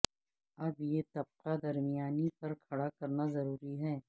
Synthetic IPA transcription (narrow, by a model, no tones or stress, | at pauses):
ɐbjeːt̪ɐb̚qad̪ɐɾmijaːnipɐɾkʰɐɽakɐɾnazɐɾuːɾiɦɛː